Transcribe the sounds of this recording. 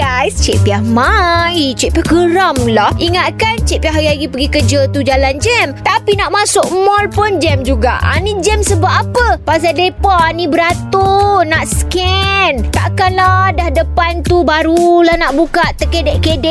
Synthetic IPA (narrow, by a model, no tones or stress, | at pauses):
ajst͡ʃɛ̰ʔpiahmajt͡ʃɛʔ̚piahɡəɾamlahiŋat̪̚kant͡ʃɛpiahɦjaɡipəɡikəd͡ʒət̪ud͡ʒaland͡ʒɛmt̪apinaʔmãsʊk̚mɔlpʊnd͡ʒɛmd͡ʒuɡa̰ʔʔa̰nid͡ʒɛmsəbaʔapəpas̬adepɔanĩbəɾat̪onaʔskɛnt̪aʔkanladahdəpant̪ubaɾulahnaʔbukaʔt̪əkedɛʔkedɛ